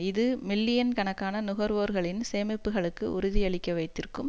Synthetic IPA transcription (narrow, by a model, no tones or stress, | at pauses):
ɪðɯmɪlːɪjɐnkɐɳɐkːaːnɐnʊɣɐɾʋoːɾɣɐɭɪnseːmɪpːɯɣɐɭɯkːɯʔʊ̰ɾʊðɪɐɭɪkʲːɐʋɐɪt̪ːɪrkɯm